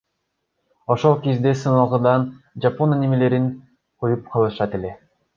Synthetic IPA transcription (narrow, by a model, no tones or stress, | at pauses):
o̞ʃo̞lˠkizd̪esɯnɑlˠʁɯd̪ɑn | d͡ʒaponanimele̞ɾin | qʰojup̚qʰɑlˠɯʃɑt̪e̞le̞